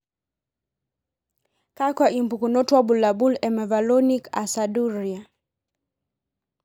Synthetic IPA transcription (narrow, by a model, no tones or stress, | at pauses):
kakwaʔimpukunɔtwabulabulɛmɛvalɔnika̰saduɾia